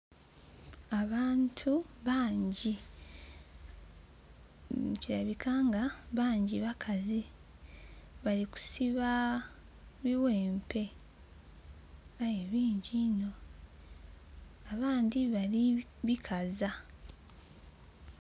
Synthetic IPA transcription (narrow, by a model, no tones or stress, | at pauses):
aβaːntʰuβaːɲɟi | ciɾaβikʰaŋɡaβaːɲɟiβakʰazi | βaliku̥siβa | βiwe̞ːmpe̞ | βajeβiːɲɟino̞ | aβaːndiβaliβikʰaza